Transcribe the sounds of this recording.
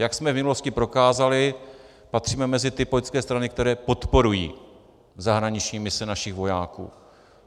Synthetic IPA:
jaksmɛvmɪnulo̞scɪpɾo̞kaːzalɪ | pat̪r̝̥iːmɛmɛzɪt̪ɪpojt͡skɛːst̪ɾanɪkt̪ɛɾɛːpo̞t̪po̞ɾujḭː | zaɦɾaɲɪt͡ʃɲiːmɪsɛnaʃɪxvo̞jaːkṵː

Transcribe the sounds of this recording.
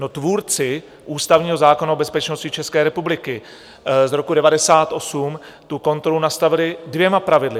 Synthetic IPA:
not̪vuːɾt͡sɪ | ʔuːst̪avɲiːɦo̞zaːko̞naobɛspɛt͡ʃno̞scɪt͡ʃɛskɛːɾɛpublɪkɪ | zɾo̞kudɛvadɛsaːt̪ʔo̞sum | t̪uko̞nt̪ɾo̞lunast̪avɪlɪdvjɛmapɾavɪdlɪ

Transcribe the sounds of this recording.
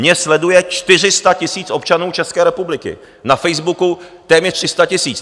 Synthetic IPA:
ɲɛslɛdujɛt͡ʃt̪ɪr̝ɪst̪acɪsiːt͡sʔo̞p̚t͡ʃanuːt͡ʃɛskɛːɾɛpublɪkɪ̰ | nafɛjzbukut̪ɛːmɲɛt̪r̥ɪst̪acɪsiːt͡s

